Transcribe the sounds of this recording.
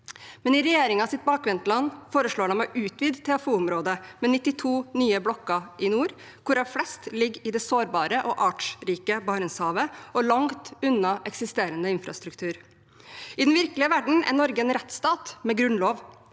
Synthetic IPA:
mɛnɪɾɛjeːɾɪŋɑːsɪt̪̚bɑːkʋɛnt̪lɑnːfoːɾəʂɭoːɖɑnmɛʔʉːt̪ʰʋiːd̪t̪ʰːɛɑfuːʊmɾoːd̪əmɛnɪt̪ːɪt̪ʰuːnyːəblɔkːɑʔɪnuːɾ | kʰʊɾɑʋflɛst̪lɪɡːɪd̪ɛsoːɾbɑːɾəʔɔʔɑːʈʂɾiːkəbɑːɾənshɑːʋəɔlɑŋt̪ʉnːɑʔɛksɪst̪eːɾənəɪnfɾɑ̰st̪ɾʉkt̪ʰʉːɾ | ɪd̪nʋɪɾkəlɪəʋæɖɳ̩ɛ̰nɔɾɡəɛnɾɛt̪st̪ɑːt̪mɛɡɾʉnloːʋ

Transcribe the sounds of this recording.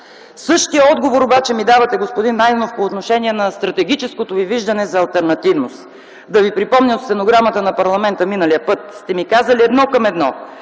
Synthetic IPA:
sɤʃt̪ijəɔd̪ɡovoɾobat͡ʃɛmid̪avɐt̪ɛɡospod̪inːajd̪ɛnofpoːt̪noʃɛniɛnɐst̪ɾɐt̪ɛɡ̟it͡ʃɛskot̪oviviʒd̪ɐnɛzɐːlˠt̪ɛɾnɐt̪ivnost̪ | d̪ɐvipɾipɔmnʲəot̪sɛnoɡɾamət̪ənɐpɐɾlˠɐmɛnt̪əminəlijəpɤt̪st̪ɛmikazəliɛd̪nɔkɐmɛd̪nɔ

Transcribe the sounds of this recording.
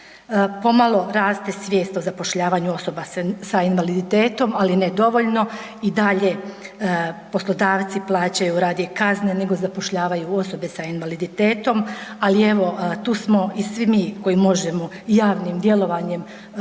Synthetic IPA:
po̞malˠo̞ɾaːst̪e̞sʋʲjeːst̪ozapo̞ʃʎaːʋaɲuo̞so̞basainʋalid̪it̪e̞ːt̪o̞malined̪o̞ʋo̞ʎno̞ | id̪aʎe̞ | po̞slˠo̞d̪aːʋt̪siplˠaːt͡ɕajuɾaːd̪jekaznene̞ɡo̞zapo̞ʃʎaːʋajuo̞so̞be̞sainʋalid̪it̪e̞ːt̪o̞malie̞ʋo̞t̪uːsmo̞isʋimiːko̞jimo̞ʒemo | jaːʋnimd̪jelo̞ʋaɲe̞m

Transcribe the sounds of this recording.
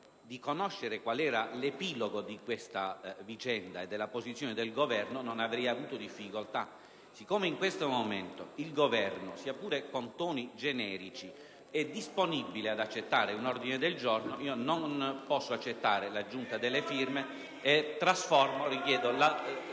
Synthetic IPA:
d̪ikonoʃːeɾekwalɛːɾalepiːloɡod̪ikwest̪avit͡ʃɛnd̪aed̪ːelːapozit̪sːjoːned̪elɡovɛrnononavɾɛjavuːt̪od̪ifːikolt̪a̰ | sikːoːmeiŋkwest̪omoment̪oilɡovɛrnosiːapuːɾekont̪oːnid͡ʒenɛːɾit͡ʃi | ɛd̪ːisponibilead̪at͡ʃːet̪ːaːɾeunord̪ined̪eld͡ʒornoiːononpɔsːoat͡ʃːet̪ːaːɾelad͡ʒːunt̪ad̪elːefirmeː | t̪ːɾasfɔrmorikjɛːd̪ola

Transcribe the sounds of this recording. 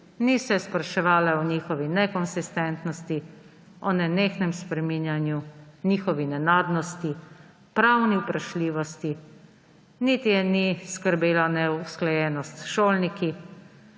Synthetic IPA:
nisɛspɾaʃɛʋaːlawniːxɔʋinɛkɔnsist̪ɛnt̪nɔst̪i | ɔnɛneːxnɛmspɾɛminjanjuniːxɔʋinɛnaːd̪nɔst̪i | pɾawniwpɾaʃliːʋɔst̪i | nit̪jɛniskəɾbeːlanɛusklajɛːnɔst̪ʃoːlniki

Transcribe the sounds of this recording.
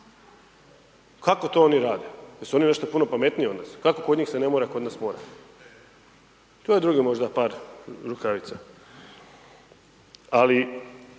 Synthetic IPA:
kakot̪o̞oniɾaːd̪ejesuo̞nine̞ʃt̪opuno̞pame̞t̪nijeo̞d̪naːskakokoɲiːxsenemoɾako̞d̪naːsmoːɾa̰ | t̪ojed̪ɾuɡimo̞ʒd̪apaːɾɾukaʋit̪sa | ali

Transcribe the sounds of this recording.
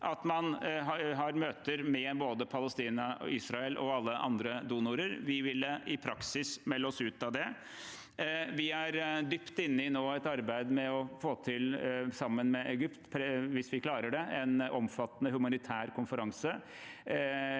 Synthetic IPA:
ʔɑt̪mɑnɦɑɦɑɾmøːt̪əɾmɛboːd̪əpʰɑləst̪iːnɑisɾɑɛlʔɔ̰ɑlːəʔɑ̰nd̪ɾəd̪uːnʊɾəɾʋɪʋɪləɪpʰɾɑksɪsmɛlːəɔsʉːt̪ɑd̪ɛ | ʋɪæɾd̪ʏpt̪ɪnːəɪnoːɛt̪ɑɾbæɪd̪mɛɔfoːt̪ʰɪlsɑmːənmɛʔɛɡʏpt̪pʰɾʋɪsʋɪkʰlɑːɾəɖɛɛnʔɔmfɑt̪ːənəhʉmɑnɪt̪ʰæːɾkʰʊnfəɾɑŋsə

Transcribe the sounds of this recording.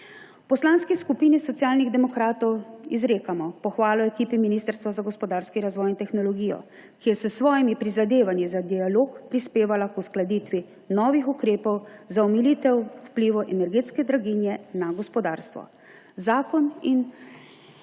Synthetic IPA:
pɔslaːnskiskupiːnisɔt̪sijaːlniɣd̪ɛmɔkɾaːt̪ɔwizɾeːkamɔpɔxʋaːlɔɛkiːpiminist̪əɾst̪ʋazaɡɔspɔd̪aːɾskiɾazʋɔːjint̪ɛxnɔlɔɡiːjɔ̰ | kijɛsəsʋɔːjimipɾizad̪eːʋanjizad̪ialoːkpɾispeːʋalakusklad̪it̪ʋi | nɔːʋixukɾeːpɔwzaɔmilit̪ɛwwpliːʋuʔɛnɛɾɡeːt̪skɛd̪ɾaɡinjɛnaɡɔspɔd̪a̰ːɾst̪ʋɔ̰ | zaːkɔnin

